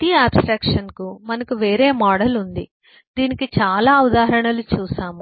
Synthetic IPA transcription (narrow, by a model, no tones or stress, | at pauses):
t̪iaːbsʈɾɐːkʂɐnkumɐnɐkuʋe̞ːɾe̞ːmɔːɽɐlund̪ḭ | d̪iːnikit͡ʃaːlaːud̪aːɾɐɳɐlut͡ʃuːsaːmu